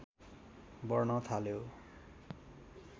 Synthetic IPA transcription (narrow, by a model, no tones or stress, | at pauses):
bʌrnʌt̪ʰaljo